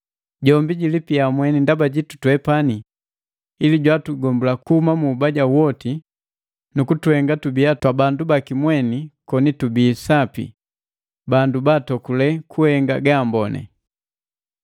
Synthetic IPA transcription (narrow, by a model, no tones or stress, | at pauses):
ɟɔmbiɟilipiamwɛnindabaɟitu̥twɛpani | iliɟwatuɡɔmbulakuhumamuːbaɟawɔti | nukutuhɛŋɡatubiatwabandubakimwɛnikɔnitubiːsapḭ | bandubatɔkulɛkʰuhɛŋɡaɡaːmbɔnɛ̰